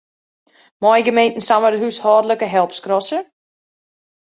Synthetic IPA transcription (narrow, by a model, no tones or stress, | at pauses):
mɔjɡəmejntn̩samədəɦyshɔːdələkəɦɛlˠpskrɔsə